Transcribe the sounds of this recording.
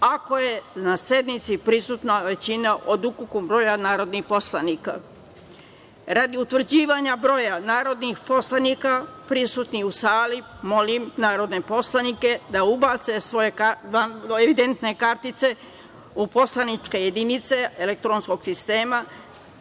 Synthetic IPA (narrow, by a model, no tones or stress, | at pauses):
ako̞je̞nase̞d̪nit̪sipɾisuːt̪naʋe̞t͡ɕinaʔo̞d̪ukukubɾo̞ːjanaːɾo̞d̪nixpo̞slˠaniːka̰ | ɾad̪iut̪ʋr̩d͡ʑiːʋaɲabɾo̞janaːɾo̞d̪nixpo̞slanikapɾisut̪niusaːlimo̞limnaːɾo̞d̪ne̞po̞slanike̞d̪aubat̪se̞sʋo̞je̞kaʋanoeʋid̪e̞nt̪ne̞kaɾt̪it̪se̞ | upo̞slanit͡ʃke̞je̞d̪init̪se̞elek̚t̪ɾonsko̞ɡ̥sist̪e̞ːma